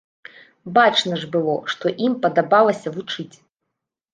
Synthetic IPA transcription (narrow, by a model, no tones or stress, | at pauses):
bat͡ʂnɐʐbɨlˠɔʂt̪ɔʔimpɐd̪abalˠɐsʲɐvut͡ʂɨt͡sʲ